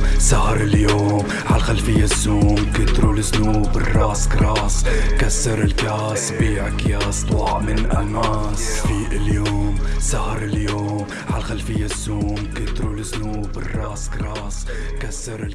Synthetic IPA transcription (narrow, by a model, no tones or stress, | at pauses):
sahɾˤɪljoːm | ʕalxalfɪjːasːuːmkɪt̪ɾulɪsnuːbɪrˤːɑːskɾɑːsˤkasːɑɾˤɪlkaːsbiːʕakjaːsˤt̪ˤɑʕmɪnʔamaːsfiːʔɪljoːmsahɾˤɪljoːm | ʕalxalfɪjːasːuːmkɪt̪ɾulɪsnuːbɪrˤːɑːskɾɑːsˤ | kasːɑɾɪ